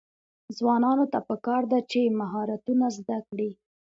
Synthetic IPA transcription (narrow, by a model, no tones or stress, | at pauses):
zwɑnɑnot̪apəkɑɾd̪at͡ʃemaɦɑɾat̪unazd̪akɽi